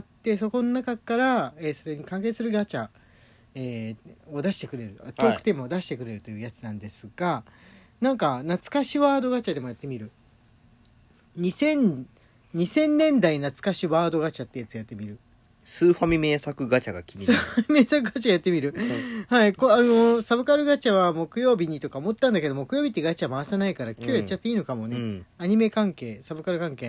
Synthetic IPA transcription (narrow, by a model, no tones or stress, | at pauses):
at̪ːe̞so̞ko̞nonakakaɾae̞so̞ɾe̞ɲ̟ikãŋk̬eːsɨɾɯ̟ɡat͡ɕa | eːo̞d̪aɕi̥t̪e̞kɯ̟ɾe̞ɾɯ̟t̪o̞ːkɯ̥t̪emod̪aɕi̥t̪e̞kɯ̟ɾe̞ɾɯ̟t̪o̞jɯ̟ːjat͡sɨnãnd̪e̞sɨɡ̥a | nãŋkanat͡sɨ̥kaɕiβaːd̪o̞ɡat͡ɕad̪e̞mojat̪ːe̞mʲiɾɯ̟ | ɲ̟isẽ̞n | ɲ̟isẽ̞nːẽ̞nd̪ainat͡sɨ̥kaɕiβaːd̪o̞ɡat͡ɕat̪ːe̞jat͡sɨjat̪ːe̞mʲiɾɯ̟ | sɨːɸamʲime̞ːsakɯ̟ɡat͡ɕaɡa̰kʲʰiɲisɨhamʲime̞ːsakɯ̟ɡat͡ɕaɡjat̪ːe̞mʲiɾɯ̟haikoano̞sabɯ̟kaɾɯ̟ɡat͡ɕaβamo̞kɯ̟jo̞ːbʲiɲ̟it̪o̞kaomo̞t̪ːãnd̪aked̪o̞mo̞kɯ̟jo̞ːbʲit̪ːeɡat͡ɕamaːsanaikaɾakʲo̞ːjat͡ɕat̪ːeiːno̞kamo̞ne̞aɲ̟ime̞kãŋke̞ːsabɯ̟kaɾɯ̟kãŋke̞ː